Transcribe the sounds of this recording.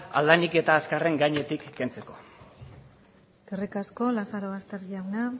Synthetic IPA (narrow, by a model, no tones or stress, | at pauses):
a̰ld̪anike̞t̪aːskare̞ŋɡajɲe̞t̪ikːe̞nt͡se̞ko̞̥ | st̪erikasko̞lasaɾoast̪e̞ɾʎawna